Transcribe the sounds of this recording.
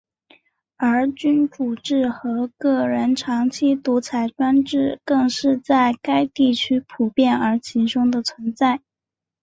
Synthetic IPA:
ə˞˧˥t͡ɕy˥nku˨˩ʈ͡ʂɻ̩˥˩xɤ˧˥kɤ˥˩ɻə˧˥nʈ͡ʂʰɑ˧˥ŋt͡ɕʰi˥t̪u˧˥t͡sʰa˨˩ɪʈ͡ʂwa˥nʈ͡ʂɻ̩˥˩kɤ˥˧ŋʂɻ̩˥˧t͡sa˥˩ɪka˥ɪt̪i˥˩t͡ɕʰy˥pʰu˨˩pjɛ˥˩nə˞˧˥t͡ɕʰi˧˥ʂʊ˥ŋd̪ə˨t͡sʰwə˧˥nt͡sa˥˩ɪ

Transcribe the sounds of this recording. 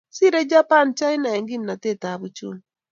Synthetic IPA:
si˦ɾɛ˦d͡ʒa˦pa˦˨nt͡ʃa˦jna˨ɛ˨ŋɡi˦mna˨tɛ˦˨ta˨βu˦t͡ʃṵ˦m

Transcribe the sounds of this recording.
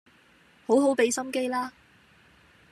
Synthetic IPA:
ho˨˥wɦo˨˥wpe˨˧jsɐ˥mke˥jlaː˥

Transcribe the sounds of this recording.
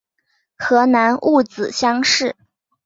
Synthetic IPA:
xɤ˧˥na˧˥nʔu˥˩t͡sɹ̩˨˩ɕjɑ˥ŋʂɻ̩˥˩

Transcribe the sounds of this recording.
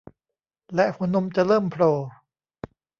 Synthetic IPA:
lɛ˦ʔpʰu˨˧˦nːu˧mt͡ɕa˨ɾɤː˥˩mpʰɾoː˧

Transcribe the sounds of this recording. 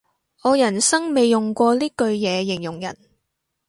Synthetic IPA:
ɔː˨˧jɐ˨˩nsɐ˥ŋme˨˧jjʊ˨ŋkʷɔː˧liː˥kɵ˧ɥjɛː˨˧jɪ˨˩ŋjʊ˨˩ŋjɐ̰˨˩n

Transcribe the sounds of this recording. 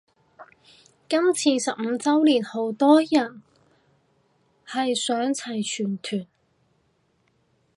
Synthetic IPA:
kɐ˥mt͡sʰiː˧sɐ˨p̚m̩˨˧t͡sɐ˥wliː˨˩nho˨˥wt̪ɔː˥jɐ˨˩n | hɐ˨jsœː˨˥ŋt͡sʰɐ˨˩jt͡ʃʰyː˨˩nt̪ʰyː˨˩n

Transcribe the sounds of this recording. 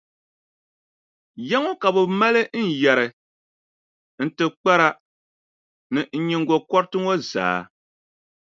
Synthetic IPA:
jɛ˦ŋɔ˦ka˨bɛ˨ma˦lɨ˦n̩˦˨jɛ˨ɾɨ˨ | n̩˦tɨ˨k͡pa˦ɾa˦ | nɨ˨n̩˦ɲi˦ŋɡo˨kɔ˦ɾtɨ˦ŋo˦za̰ː˨˦

